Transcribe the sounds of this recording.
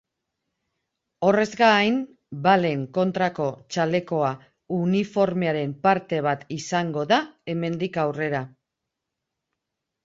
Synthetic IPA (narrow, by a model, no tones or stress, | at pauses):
o̞re̞zɡaːjn | bale̞ŋko̞nt̪ɾako̞t͡ʃale̞ko̞a | unifo̞ɾme̞aɾe̞mpaɾt̪e̞β̞at̪isaŋɡo̞ðae̞me̞nd̪ikawre̞ɾa